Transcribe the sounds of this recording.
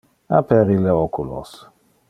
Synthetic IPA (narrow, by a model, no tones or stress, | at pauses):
a̰pʰɛɾilɛɔkulɔ̰s